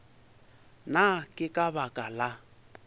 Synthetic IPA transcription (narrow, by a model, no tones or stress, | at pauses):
nakʼɪkʼabakʼala